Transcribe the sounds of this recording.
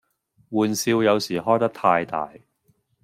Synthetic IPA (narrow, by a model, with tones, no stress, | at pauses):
wuː˨nsiː˧wjɐ˨˧wsiː˨˩hɔː˥jt̪ɐ˥k̚t̪ʰaː˧jt̪a̰ː˨j